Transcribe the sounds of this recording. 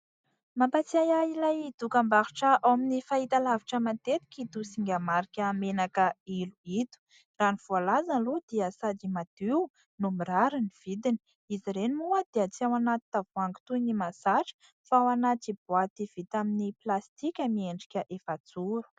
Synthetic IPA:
mampat͡siajailajid̪ukambaɾuʈ͡ʂəʔawaminifait̪alaviʈ͡ʂəmant̪et̪i̥kʲit̪usiŋɡʲamaɾikʲəmenakəiluit̪u̥ | raniv̥ualazanlud̪̥iəsad̪imad̪̥iw | numiraɾiniv̥id̪ini | iziɾenimuəd̪eət͡siawanat̪i̥t̪avuaŋɡu̥t̪unimasaʈ͡ʂə̥ | fawanat̪ib̥uat̪iv̥it̪aminiplast̪ikʲəmieɳɖ͡ʐi̥kʲəʔefat͡suɾu̥

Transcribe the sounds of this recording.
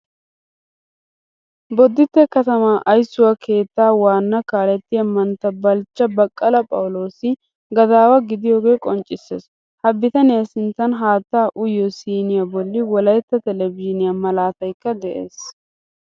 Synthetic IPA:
bɔd̪ːɪt̪ːɛkɐt̪ɐmaʔɐjsːʊwɐkʰe̞ːt̪ːaːwaːnːɐkaːlɛt̪ːɪɐmːɐnt̪ːɐbɐlt͡ʃːɐbɐkʼːɐlɐpʼɐ̰wlo̞ːsɪ | ɡɐd̪aːwɐɡɪd̪ɪjo̞ːɡe̞ːkʼɔnt͡ʃʼɪsːḛːs | hɐbːɪt̪ɐnɪjasɪnt̪ːɐnɦaːt̪ːaːʔʊjːɔsiːnɪjɐbɔlːɪwɔlɐjt̪ːɐt̪ɛlɛvɪʃɪnɪjamɐlaːt̪ɐjkːɐd̪ɛʔḛːs

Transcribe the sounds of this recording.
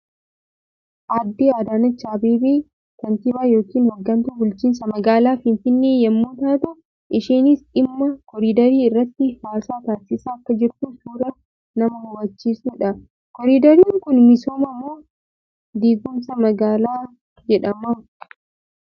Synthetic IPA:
ʔɐd̪ːeːad̪aːnɐt͡ʃːaːbeːbeː | kɐnt̪ɪbaːjo̞ːkiːnhɔɡːɐnt̪ubʊlt͡ʃiːnsɐmɐɡaːlaːfɪnfɪnːeːjɐmːuːt̪aːt̪ɐ | ʔɪʃiːnɪsᶑɪmːɐkɔɾiːd̪ɐɾiːɪrːɐt̪ːɪhaːsaːt̪aːsɪsaːɐkːɐd͡ʒɪɾtuːsuːɾɐ | nɐmɐhɐwːɐt͡ʃːiːsuːᶑɐ | kɔɾiːd̪ɐɾiːŋkʊnmɪsoːmɐmːoː | d̪iːɡʊmsɐmɐɡaːlaː | d͡ʒɛᶑɐmɐ

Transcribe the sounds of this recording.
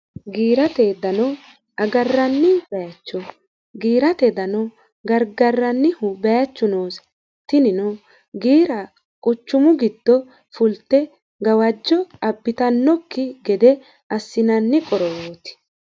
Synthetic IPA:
ɡiːɾɐt̪ed̪ɐnɔ | ɐɡɐrːɐnːɪb̥ɛjɐt͡ʃːɔ | ɡiːɾɐt̪ɛd̪ɐnɔ | ɡɐɾɡɐrːɐnːɪhʊbɛjɐt͡ʃːʊnoːs | t̪ːɪnɪnʊ | ɡiːɾɐ | kʼʊt͡ʃːʊmʊɡɪd̪ːɔ | fʊlt̪ːɛ | ɡɐwɐd͡ʒːɔɐbːɪt̪ɐnːɔkːɪɡɛd̪ɛ | ʔɐsːɪnɐnːɪkʼɔɾɔwoːt̪ɪ̥

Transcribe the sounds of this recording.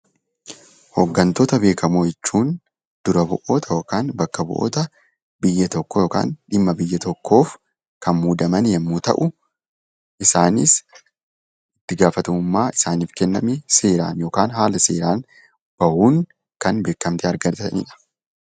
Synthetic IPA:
hɔɡːɐnt̪oːt̪ɐbe̞ːkɐmoːjɛt͡ʃːuːn | d̪̥ʊɾɐbʊʔo̞ːt̪ʰɐjoːkaːnbɐkːɐbʊ̰ʔo̰ːt̪ɐ | bɪjːɐt̪ɔkːɔjo̞ːka̰ːnᶑɪmːɐbɪjːɐt̪ɔkːo̞ːf | kɐnmuːd̪ɐmɐnjɐmːuːt̪ɐ̰ʔʊ | ʔɪsaːnɪ̰s | ɪt̪ːɪɡaːfɐt̪ɐmʊmːaːɪsaːniːfkɛnːɐmɛseːɾa̰ːnjo̞ːkaːnɦaːlɐseːɾaːn | b̥ɐhuːŋ | kɐnbe̞ːkːɐmt̪ɪɐɾɡɐɾt̪ɐnḭᶑɐ̥

